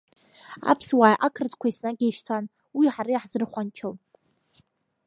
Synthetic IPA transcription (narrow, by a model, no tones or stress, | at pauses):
a̰pʰswaːjʔakʰrt͡skʷʰaisnaɡʲejʃtʰan | wiħaɾajħzɨrχʷant͡ʃʰɨl